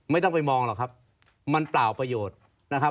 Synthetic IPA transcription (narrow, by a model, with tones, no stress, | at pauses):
ma˥˩jt̪ɔ˥˩ŋpa˧jmɔː˧ŋlaː˨˩kʰa˦˥p̚ | ma˧nplaː˨˩wpɾa˧joː˨˩t̪̚ | na˦˥kʰa˦˥